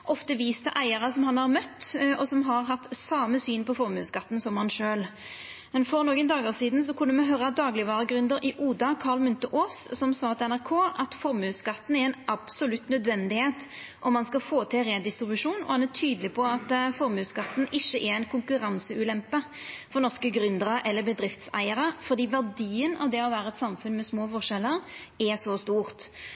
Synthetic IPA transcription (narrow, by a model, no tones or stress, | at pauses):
ʔɔft̪əʋiːst̪əʔæɪəʁəsɔmɦɑnhɑʁmœt̪ːɔsɔmɦɑʁɦɑt̪ːsɑːməsyːnpɔfɔɾmʉ̰ːskɑt̪ːn̩sɔmhɑnʃøːlmɛnfɔɾnoːɡənd̪ɑːɡoːʁsiːd̪ns̬ɔkʰʉnːəmɛɦøɾɑd̪ɑːɡlɪʋɑːɾəɡɾʉnd̪əɾɪʔuːd̪ɑkʰɑːʁlmʉnt̪əʔoːssɔmsɑːt̪ɛnæʁkʰoːɑt̪fɔɾmʉːskɑt̪ːn̩æɛnʔɑb̥sɔlʉt̪ːnœd̪ʋɛnd̪ɪheːt̪ | ʔɔmːɑnskɑlfoːt̪ʰɪlɾeːd̪ɪst̪ɾɪbʉʂuːnɔ̰hɑnæt̪ʰyːd̪əlɪpʰɔɑt̪fɔɾmʉːskɑt̪ːn̩ʔɪçːəʔɛɾɛɪnkʰʊŋkʉɾɑnsəʉːlɛmpəfɔʁnɔʁskəɡɾʉnd̪əɾəʔɛlːəbəd̪ɾɪft̪sæ̰ɪəɾəfɔʁd̪iːʋæʁd̪iːənɑ̰ʋd̪ɛɔʋæːɾəɛt̪sɑmfʉnmɛsmoːfɔʁʂɛlːəɾɛsɔst̪uːʁt̪